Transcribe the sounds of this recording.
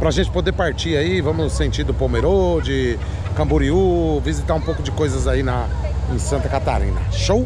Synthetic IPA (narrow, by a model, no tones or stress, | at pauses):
pɾɐaʒẽnt͡ʃɪ̥pod̪eɾpaɾt͡ʃiaivɐ̃mʊsẽt͡ʃiɾd̪ʊpowmeɾod͡ʒɪ | kɐ̃mbuɾiuvizit̪aɾũpowkʊd͡ʒɪkojzɐzainɐẽsɐ̃nt̪ɐkat̪a̰ɾḭ̃nɐ̰ʃow